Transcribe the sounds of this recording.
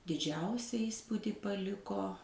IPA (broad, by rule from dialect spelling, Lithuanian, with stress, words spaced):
dʲɪˈd͡ʒʲɛʊsʲɛ ˈiːspuːdʲɪ pɐˈlʲɪkoː